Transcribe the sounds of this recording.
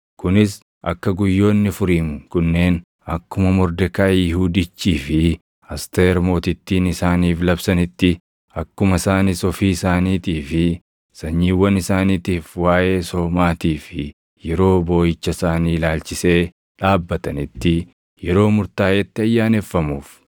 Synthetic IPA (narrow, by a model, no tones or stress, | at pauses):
kʊnɪs | ɐ̰kːɐɡʊjːo̞ːnːɪfʊɾiːmkʊnːe̞ːn | ɐkːʊmɐmɔɾd̪ɛkaːjɪhuːd̪ɪt͡ʃːiːfɪ | ɐst̪eːɾmo̞ːt̪ɪt̪ːiːnɪsaːniːflɐbsɐnɪt̪ːɪ | ɐkːʊmɐsaːnisɔfiːɪsaːniːt̪iːfɪ | sɐɲːiːwːɐnɪsaːniːt̪iːfwaːʔe̞ːsɔmaːt̪iːfɪ | jɛɾo̞ːbo̞ːjɪt͡ʃːɐsaːniːlaːlt͡ʃɪse̞ː | ᶑaːbːɐt̪ɐnɪt̪ːɪ | jɛɾo̞ːmʊɾt̪aːjɛt̪ːɪɐjːaːnefːɐmuːf